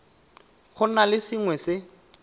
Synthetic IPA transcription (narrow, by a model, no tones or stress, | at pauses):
χʊnalɪsiŋwɛsɪ